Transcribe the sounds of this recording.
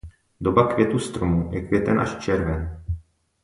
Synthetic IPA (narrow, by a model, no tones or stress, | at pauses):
do̞bakvjɛt̪ust̪ɾomujɛkvʲjɛt̪ɛnʔaʃt͡ʃɛɾvɛn